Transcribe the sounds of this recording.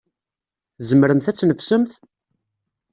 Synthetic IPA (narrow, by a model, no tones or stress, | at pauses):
zəmɾəmθæt͡sːnəfsəmθ